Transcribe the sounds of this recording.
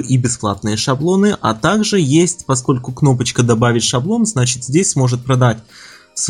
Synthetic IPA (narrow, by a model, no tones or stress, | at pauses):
ʔibʲɪsplˠa̰t̪̚nɨjəʂɐblˠo̞nɨʔɐ̰t̪aɡʐɨjesʲtʲpɐsko̞lʲkʊkno̞pət͡ɕkəd̪ɐbavʲɪtʲʂɐblˠo̞nznat͡ɕɪ̥t̪zʲdʲesʲsmo̞ʐɨt̪̚pɾɐd̪atʲ | s